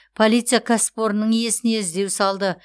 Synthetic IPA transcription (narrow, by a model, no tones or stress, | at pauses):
pʰo̞lʲijt̪sɨjakʰaspo̞ɾənəɴje̞sɪne̞ɪzd̪e̞wsɑlˠd̪ə